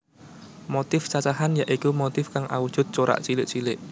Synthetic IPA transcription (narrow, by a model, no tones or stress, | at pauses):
mot̪ɪft͡ʃat͡ʃaɦanjaʔikumot̪ɪfkaŋʔa̰wud̥ʒ̥ʊ̤t̪̚t͡ʃoɾa̰ʔt͡ʃilɪʔt͡ʃilɪʔ